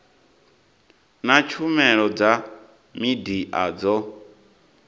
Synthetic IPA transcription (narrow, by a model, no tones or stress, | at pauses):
nat͡ʃʰumɛɺɔd͡za | midiʔad͡zɔ